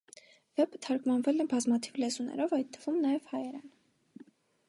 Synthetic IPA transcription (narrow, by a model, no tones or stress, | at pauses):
v̥ɛpʰət̪ʰɑɾkmɑnvɛlɛbɑzmɑt̪ʰivlɛzunʔɛ̰ɾɔvɑjt̪ʰːəvumnɑjɛvhɑjɛɾɑ̰n